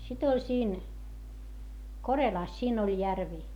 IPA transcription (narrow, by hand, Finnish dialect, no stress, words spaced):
sit olʲ siːn korelɑˑs siːn olʲ jærʋi